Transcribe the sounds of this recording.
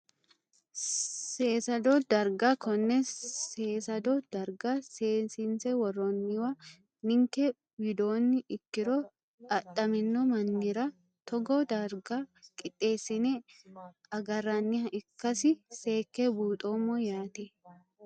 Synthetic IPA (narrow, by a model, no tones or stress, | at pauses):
seːsɐd̪od̪ɐɾɡakɔnːɛseːsɐd̪od̪̥ɐɾɡaseːnsɪnsɛwɐrːonːɪwɐ | nɪŋke | wɪd̪oːnːɪʔɪkːɪɾoː | ɐtʼːɐmɪnːomɐnːɪɾɐ | t̪ɔɡoːd̪ɐɾɡaːkʼɪt̪ʼːe̞ːsːɪne | ɐɡɐrːɐnːɪhɐɪkːɐsɪse̞ːkːebuːt̪ʼoːmojaːt̪e